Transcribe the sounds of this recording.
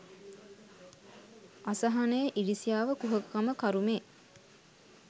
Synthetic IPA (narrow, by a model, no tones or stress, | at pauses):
asəɦanəjəʔiɖisijaːʋəkuɦəkːaməkaɾumeː